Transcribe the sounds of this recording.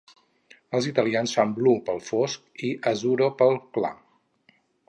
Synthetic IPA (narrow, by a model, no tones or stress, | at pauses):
əlˠzit̪əliansfamblupəlˠfoskiʔəzuɾopəlˠkla̰